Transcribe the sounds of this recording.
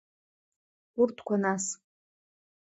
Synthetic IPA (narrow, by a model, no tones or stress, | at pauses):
urtʰkʷʰanas